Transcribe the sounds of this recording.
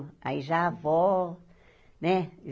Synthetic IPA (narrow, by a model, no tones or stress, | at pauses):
a̰iʒavɔ | nɛ